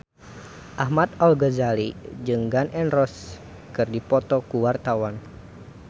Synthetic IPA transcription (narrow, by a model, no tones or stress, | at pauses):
ʔahmat̪̚ɔlɡəzalid͡ʒɨŋɡanʔɛnrɔs | kɨrdipɔt̪ɔkuwart̪awan